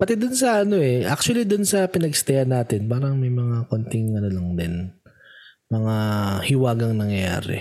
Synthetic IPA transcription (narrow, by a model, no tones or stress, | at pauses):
pɐt̪ɛd̪ʊnsɐʔɐno̞ʔɛʔak̚t͡ʃʊwɐlid̪ʊnsɐpɪnɐɡst̪ɛʔɐnːaːt̪ɪnpaːɾɐŋmɐjmɐŋakont̪ɪŋʔɐnolɐŋd̪ɪn | mɐŋahɪwaːɡɐŋnɐŋjɐja̰ːɾɛ̰